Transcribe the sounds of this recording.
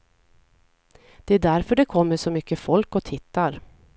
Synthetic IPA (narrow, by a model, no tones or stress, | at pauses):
d̪̥ɛæɖæɾfœɖɛkʰɔmːəʂɔmʏkːəfɔlkɔt̪ʰɪt̪ːaɾ